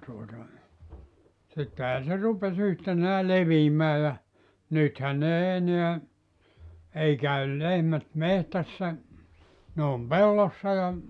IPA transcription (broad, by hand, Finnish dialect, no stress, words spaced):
tuotɑ sitːehæː se rupes yhtenæː leʋiːmæː jɑ nythæn n ei eneæ ei kæyl lehmæt mehtæsːæ ne om pelːosːɑ jɑ